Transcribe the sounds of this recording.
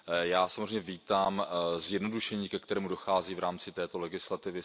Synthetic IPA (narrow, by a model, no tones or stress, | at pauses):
jaːsamozrejmɲːɛviːt̪aːmzjɛdno̞duʃɛɲiːkɛkt̪ɛɾɛːmudo̞xaːziːvɾaːmt͡sɪt̪ɛːt̪o̞lɛɡɪslat̪ɪvɪ